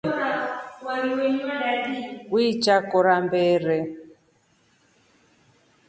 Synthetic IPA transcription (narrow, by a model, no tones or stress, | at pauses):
awaɾiwenimadadiwit͡ʃakɔɾambɛːɾɛ